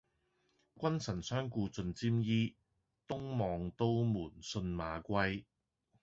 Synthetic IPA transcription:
kʷɐ˥nsɐ˨˩nsœː˥ŋkuː˧t͡sɵ˧nt͡siː˥mjiː˥ | t̪ʊ˥ŋmɔː˨˧ŋt̪o˥wmuː˨˩nsɵ˧nma̰ː˨˧kʷɐ˥j

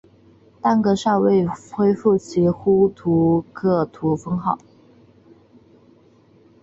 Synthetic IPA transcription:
t̪a˥˩nɡɤ˧˦ʂɑ˥˧ʊwe˥˩ɪxwe˥ɪfu˥˩t͡ɕʰi˧˥xu˥t̪ʰu˧˥kʰɤ˥˩t̪ʰu˧˥fɤ˥ŋxɑ˥˩ʊ

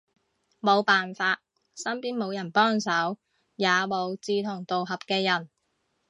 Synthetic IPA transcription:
mo˨˧wpaː˨nfaː˧t̚ | sɐ˥mpiː˥nmo˨˧wjɐ˨˩npɔː˥ŋsɐ˨˥w | jaː˨˧mo˨˧wt͡siː˧t̪ʰʊ˨˩ŋt̪o˨wɦɐ˨p̚kɛː˧jɐ˨˩n

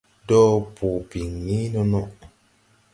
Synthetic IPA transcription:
dɔ˦pu˨pi˨ŋni˦nɔ˦nɔ˦ʔ

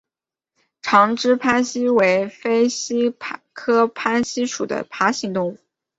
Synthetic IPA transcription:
ʈ͡ʂʰɑ˧˥ŋʈ͡ʂɻ̩˥pʰa˥nɕi˥we˧˥ɪfe˥ɪɕi˥pʰkʰɤ˥pʰa˥nɕi˥ʂu˨˩d̪ə̰˦pʰa˧˥ɕi˧˥ŋt̪ʊ˥˧ŋu˥˩

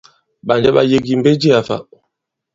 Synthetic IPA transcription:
ɓa˨nd͡ʒɛ˦ɓa̰˨je˦ɡi˨m̩˦be˦d͡ʒi˦a˨fa̰˨

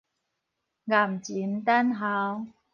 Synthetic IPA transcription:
ɣa˨˩mt͡ɕi˨˦nt̪a˦˥nɦa˨˧˦w

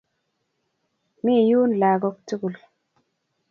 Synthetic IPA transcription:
mi˦˨ju˦nla˨ɡɔ˦k̚tu˦ku˨l

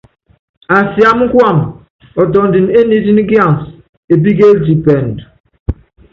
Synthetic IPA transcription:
a˨sja˦m˦ŋ̩˦kwa˦˨m | ɔ˨tɔ˨n˨di˨ne˦ni˦di˦n˦ɡja˦˨n˨s | e˨b̬i˦ɡe˦ldi˨pɛ˨n˨d

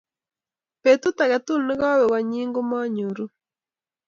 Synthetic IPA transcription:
pe˨tu˦ta˨ɣa˨tu˦lne˦ɣa˦wɛ˨wa˨ɲiː˦ŋɡo˦ma˦ɲo˨ɾu˦

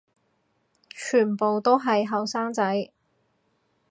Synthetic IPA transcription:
t͡ʃʰyː˨˩npo˨wt̪o˥wɦɐ˨jɦɐ˨wsaː˥ŋt͡sɐ˨˥j

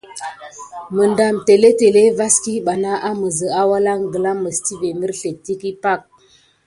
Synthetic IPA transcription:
mə˨nda˨mte˨le˦te˨le˦va˦ski˦ɓa˨na˦ʔa˦mə˨zə˨a˦wa˦la˦ŋɡə˨la˦mə˨sti˦ve˨mə˦ɾɬe˨tːi˦ki˦pa˦˨k̚

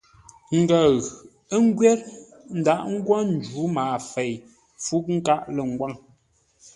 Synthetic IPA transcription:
ŋ̩˨ɡa˨ɣ | ə˦ŋ̩˦ɡɥɛ˦ɾ | n̩˨da˦ʔŋ̩˦ɡwɔ˦n̩˨d͡ʒu˨˦maː˨fe˨j | fu˦k̚ŋ̩˦ka˦ʔlə˨ŋ̩˨ɡwa˦˨ŋ

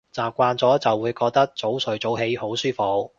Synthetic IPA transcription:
t͡saː˨p̚kʷaː˧nt͡sɔː˨˥t͡sɐ˨wːuː˨˧jkɔː˧k̚t̪ɐ˥k̚t͡so˨˥wsɵ˨˥ɥt͡so˨˥wɦe˨˧jho˨˥wsyː˥fo˨k̚

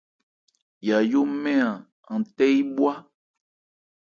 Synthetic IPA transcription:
ja˨jo˦mɛ̃˦a˨ | ã˨tɛ˦i˦bwa˦

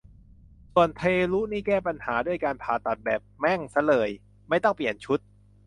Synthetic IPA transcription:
su˨˩ənt̪ʰeː˧luː˦˥niː˥˩kɛː˥˩pa˧nhaː˩˦du˥˩əjkaː˧npʰaː˨˩t̪a˨˩t̪̚bɛː˨˩p̚mɛ˥˩ŋsa˧˦˥lɤː˨˩j | ma˥˩jt̪ɔ˥˩ŋpli˨˩ənt͡ɕʰu˦˥t̪̚

